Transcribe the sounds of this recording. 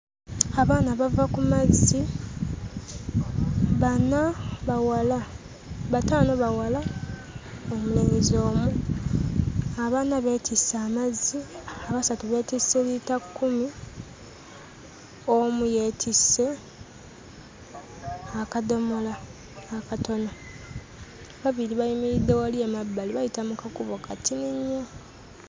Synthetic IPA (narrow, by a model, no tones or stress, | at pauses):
aβaːnaβavakumazi | βanaβawala | βataːnoβawala | omuleɲizo̞ːmu | aβaːnaβe̞tʰisaːmaziaβasatuβe̞tiselitakːumi | omuje̞ːtʰisːe̞ | akado̞mo̞laː | kato̞no | βaβiliβajimiɾidːewaliemabːaliβajitamukakuβokatʰiniɲːa